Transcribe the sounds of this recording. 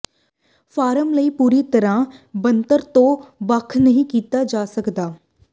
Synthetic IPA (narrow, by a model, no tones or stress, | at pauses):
fʰaːɾəmləiːpuːɾiːt̪əɾãːbənt̪əɾt̪õːbəkʰnəɦĩːkiːt̪aːd͡ʒaːsəkd̪aː